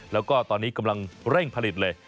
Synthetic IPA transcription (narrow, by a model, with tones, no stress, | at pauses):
lɛː˦˥wkɔː˥˩t̪ɔː˧nːiː˦˥ka˧mla˧ŋɾɛ˥˩ŋpʰa˧li˨˩t̪̚lɤː˧j